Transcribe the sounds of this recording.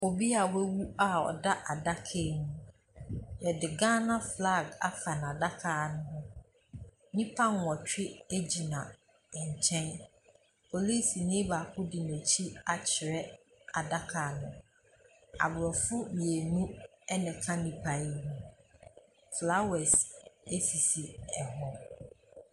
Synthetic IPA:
o˨bi˦a˨wɛ˦wu˦a˦ɔ̰˨da˦ʔa˨da˦kʰe˦˨nũ˨ | jɛ˨dɪ˨ɡã˦nã˦fla˦˨ɡa̰˦fa˨n˨ã˨da˦kʰaː˨nʊ̃˦ɦʊ̃˦ | nĩ˦pʰa˦n˦˨ɔ̃˨t͡ɕᶣɪ˦e˦d͡ʑi˨nã˨ | ɲ̩˨t͡ɕʰɛ̃˦n | pʰo˨liː˦si˨nĩ˦ba˨kʰʊ˦dɪ˨nẽ˨t͡ɕʰi˦a˨t͡ɕʰɪ˨ɾɛ˦ | a˨da˦kʰa˨nʊ̃˨ | a̰˨bʊ˨ɾɔ˨fʊ˦mĩ˨e˨nũ˦ | ɛ˦nɛ̃˨kʰã˦nĩ˦pʰa˨i˦nʊ̃˦ | fla˦wɛ˨se˦si˨si˨ɛ˨ɦɔ˦

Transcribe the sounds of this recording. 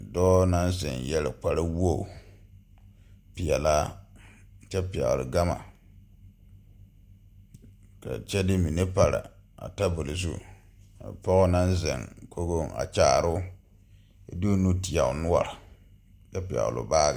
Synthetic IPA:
dɔː˦na˦nzɪ̰˨njɛ˦lɪ˨k͡pa˦ɾɨ˦wo˦˨ | pi˨jɛ˨la˦ | t͡ʃɛ˦pi˨a̰˨lʊ˨ɡa˦ma̰˨ | ka̰˨t͡ʃɛ˦dɪ˦mi˨ne˦pa˨ɾɪ̰˨a̰˨ta˦bo˨lɪ˨zṵ˦ | a̰˨pɔ˦ɣʊ˦na˦n˦zɪ̰˨ŋkʰo˦ɡo˦a̰˨t͡ʃaː˨˦˨ɾʊ˦ | ḭ˦do˦nu˦ti˨a˨ʊ˨nʊ˦a̰˨ɾɪ˨ | t͡ʃɛ˦pi˨a̰˨lʊ̰˨baː˦ɡa˨

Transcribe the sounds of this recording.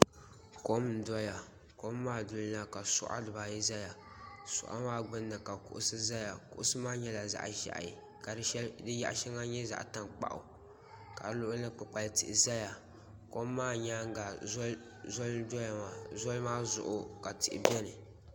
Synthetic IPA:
ko˦mn̩˦dɔ˦ja˨ | ko˦mː˦aː˦˨dʊ˨lla˦ka˨sʊ̰˦ʔa̰˦dɨ˨baː˨jɛ˦za˦ja˨ | sʊ̰˨ʔa̰˦maː˦ɡ͡bɨ˦nːa˨ka˨kʊ̰˨ʔʊ˦sɨ˦za˦ja˨kʊ̰˨ʔʊ˦sɨ˦maː˦ɲɛ˦la˨za̰˦˨ʔʒa̰˨ʔa̰˨ji˨ | ka˨dɨ˦ʃɛ˦ldɨ˦ja̰˦ʔʃɛ˦ŋa˦ɲɛ˦za̰˨ʔta˦nk͡pa̰˨ʔʊ̰˨ | ka˨˦lʊ˦ʔʊ˦a˦k͡pɨ˨k͡pa˨ltɪ˨ʔɪ˨za˦ja˨ | ko˦mːaː˦˨ɲa˦ŋ˦ɡa˨˦ | zɔ˦ldɔ˦ja˨ma˨zɔ˦lmaː˦zʊ̰˨ʔʊ˨ka˨tɪ˨ʔɪ˨bɛ˦nɨ˨

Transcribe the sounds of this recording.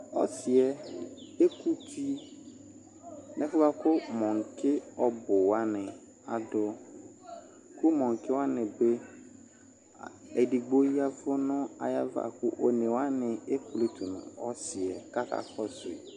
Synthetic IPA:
ɔ̰˦sɪ˨ɛ˨e˦kʰu˦tʰi˦ | nɛ̃˦fʊ˦va˦kʊ˦mɔ̃˨ŋ̩˨kʰɪ˦ɔ˨bʊ˨wa˦nɪ̃˨ | a̰˨dʊ˦ | kʰʊ˦mɔ̃˨ŋ˨kʰɪ˦wa˦nɪ̃˨be˦˨ | ɛ˨di˨ɡ͡bo˦ji˦a˦fʊ˦nʊ̃˦a̰˨ja̰˦va̰˦˨kʊ˦ʔo˨nẽ˨wa˦nɪ̃˨e˦ku˨le˦tʰu˨nʊ̰̃˨ɔ˦sɪ˨ɛ˨ka˦kʰa̰˨kʰɔ˦sʊ̰˨

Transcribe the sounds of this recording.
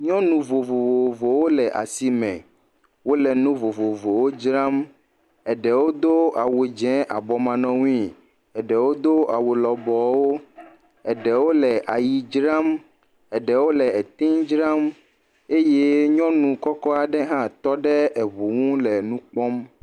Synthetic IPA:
ɲɔ̃˦nũ˨vo˨vo˨vo˨vo˨wo˦lɛ˨ʔa̰˨si˨mɛ̰̃˨ | wo˦lɛ˨nũ˦vo˨vo˨vo˨wo˦d͡ʒɾa˦m | ɛ˨ɖɛ˨wo˦d̪o˦a˨we˨d͡ʒɛ̃˦ʔa˨bɔ˨mã˨nɔ̃˨˦ŋũ˦ĩ˦ | ɛ˨ɖɛ˨wo˦d̪o˦a˨we˨lɔ˨bɔ˨wo˦ | ɛ˨ɖɛ˨wo˦lɛ˨ʔa˨ji˨d͡ʒɾa˦m | ɛ˨ɖɛ˨wo˦lɛ˨ɛ˨t̪i˦d͡ʒɾa˦m | e˦je˦ɲɔ̃˦nũ˨kɔ˦kɔ˦a˨ɖɛ˦ɦã˦t̪ɔ˦ɖɛ˦ɛ˨βu˨ŋũ˦lɛ˨nũ˦k͡pɔ˦m

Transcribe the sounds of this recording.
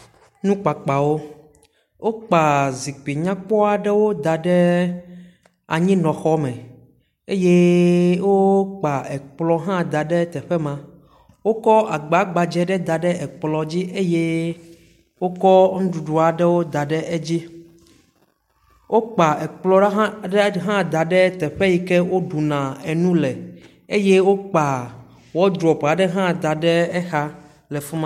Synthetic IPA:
nũ˦k͡pa˨k͡pa˨wo˦ | wo˦k͡pa˨zi˨k͡pi˨ɲã˦k͡pɔ˦a˨ɖɛ˦wo˦d̪a˨ɖɛ˦ | a̰˨ɲĩ˦nɔ̃˨xɔ˦mɛ˨ | e˦je˦wo˦k͡pa˨ɛ˨k͡plɔ˦ɦã˦d̪a˨ɖɛ˦t̪ɛ˨ɸɛ˦mã˨ | wo˦kɔ˦ʔa˨ɡ͡ba˨˦ɡ͡ba˨d͡ʒɛ˨ɖɛ˦d̪a˨ɖɛ˦ɛ˨k͡plɔ˨d͡ʑi˦ʔe˦je˦ | wo˦kɔ˦ŋũ˦ɖu˨ɖu˨a˨ɖɛ˦wo˦d̪a˨ɖɛ˦ʔe˦d͡ʑi˦ | wʔo˦k͡pa˨ɛ˨k͡plɔ˦ɖɖɛ˦ɦã˦˨d̪a˨ɖɛ˦t̪ɛ˨ɸɛ˦ji˨kɛ˦wo˦ɖu˨nã˨ɛ˨nũ˦lɛ˨ | e˦je˦wo˦k͡pa˨ | wɔ˦d̪ɾɔ˨pa˨ɖɛ˦ɦã˦˨d̪a˨ɖɛ˦ɛ˦xa˦ | lɛ˨fu˦mã˦

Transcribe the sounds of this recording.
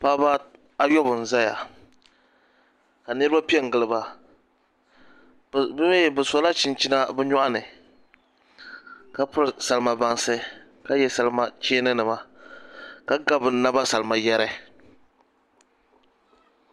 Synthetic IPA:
pa˦ba˦ | a˦jɔ˦bʊ˨n̩˨za˦ja̰˨ | ka˨nɨ˦ɾɨba˦pi˦ɛ˦˨ŋ˨ɡɨ˨lɨ˨ba˦ | bbɨ˨sa˨la˦t͡ʃi˦nt͡ʃi˦na˦bɛ˦ɲɔ˦ʔa˦nɨ˨ | ka˦pʊ˦ɾsa˨lɨ˦ma˨ba˦nsɨ˦ | ka˦jɛ˦sa˨lma˦t͡ʃeː˦nɨ˦nɨ˨ma˨ | ka˦ɡa˦bɨ˨˦nːa˦ba˦sa˨lɨ˨ma˨jɛ˦ɾɛ˦

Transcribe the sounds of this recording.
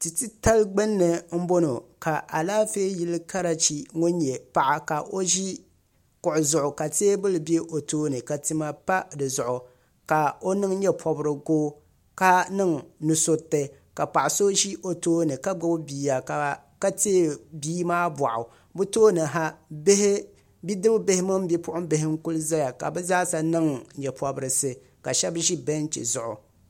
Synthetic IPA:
tɨ˨ti˦ta˦lɡ͡bɨ˦nːɨ˨m̩˦bo˦no˨ka˨ʔa˨laː˦feː˦ji˦lɨ˦ka˦ɾa˨t͡ʃi˦ŋʊ˦n˦ɲɛ˨pa˨ʔa˨ka˨ʔo˦ʒi˦ | kʊ˨ʔʊ˨zʊ˨ʔʊ˨ka˨teː˦bɨ˦lɨ˨be˦ʔo˨toː˦nɨ˨ka˨tɨ˦ma˦pa˦dɨ˨zʊ˨ʔʊ˨ | ka˨o˦nɨ˦ŋ˦ɲɛ˦pʰɔ˨bɾɨ˨ɡoː˦ | ka˦nɨ˦ŋnu˨so˦tːɨ˨ka˨pa˨ʔʊ˨so˦ʒi˦ʔo˨toː˦nɨ˨ka˦ɡ͡ba˦bbiː˨ja˨ | ka˦te˦biː˦maː˦ba̰˨ʔʊ˨ | bu˦toː˦nɨ˨ɦa˦h | bi˦dɨ˦bbɪ˦hɪ˦mɨ˦m˦bi˦pʊ˦ʔʊ˦bɪ˨hɪ˦ŋ˦ku˦lɨ˦za˦ja˨ka˨bɛ˦zaː˦sa˨nɨ˦ŋɲɛ˨pʰɔ˨bɾɨ˨sɨ˦ | ka˨ʃɛ˦bʒi˦bɛ˦n˦t͡ʃɛ̰˨zʊ˨ʔʊ˨

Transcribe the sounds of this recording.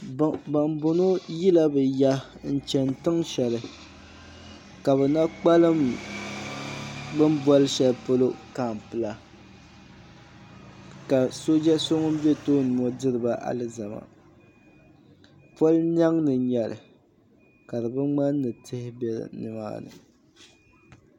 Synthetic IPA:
ba˨mbʊ˨no˦ji˦la˦bɨ˨ja˦ | n̩˨t͡ʃɛ˨n˨tɨ˦ŋʃɛ˨lɨ˨ | ka˨βɛ˨na˦k͡pa˦lɨ˦m | bɨ˦m˦bɔ˦lɨ˦ʃɛ˨lpo˦lo˦ka˨m˨pɨ˨la˦ | ka˨so˦d͡ʒɛ˦so˦ŋo˦bɛ˦to˦nɨ˨mɔ˦dɨ˦ɾɨ˨ba˦ʔa̰˨lɨ˦za˨ma̰˨ | po˦ln˦a˦ŋnɨ˨ɲɛ˨lɨ̰˨ | ka˨dɨ˨bɨ˦ŋ͡ma˦nː˦ɨ˨tʰɨ˦hɪ˦bɛ˦l̰nɨ˨ma̰ː˦nɨ̰˨

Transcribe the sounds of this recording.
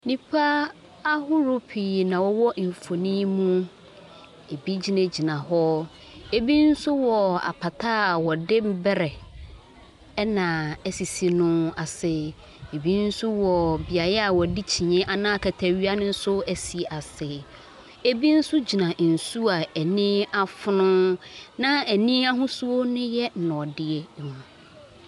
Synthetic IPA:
nĩ˨pʰa˦ | a˦hʊ˦ɾʊ˦pʰi˨nã˨wɔ˦wɔ˦ʔfo˨nĩ˦mũ˦ | e˨bi˦d͡ʑi˨˦nã˨d͡ʑi˨nã˨hɔ˦ | e˦bi˦n̩˦sʊ˦wɔ˨a̰˨pʰa˨tʰaː˦a˨wɔ˨dɪ˦m̩˦bɛ˦ɾɛ˨˦ | nã˨ɛ˦si˨si˨nʊ̃˦a˨sɪ˨ | e˨bi˦n̩˦sʊ˦wɔ˨bi˨a˨ɾɛ˦a˨wɔ˨di˦t͡ɕʰĩ˨ɲɛ̃˦ʔa˨nãː˦a˦˨kʰæ˨tʰæ˨ɥi˦a˦nɪ̃˦n̩˦sʊ˦æ˨si˨ʔa˨sɪ˨ | e˦bi˦n̩˦su˦d͡ʑi˨nã˨n̩˨su˦a˨æ˨nĩ˦a˦fʊ˦nʊ̃˦nã˦æ˨nĩ˦a˦ɦʊ̃˦su˦o˦nʊ̃˦jɛ˦n̩˨nɔ̃˨dɪ˨ɛ˦˨hũ˨

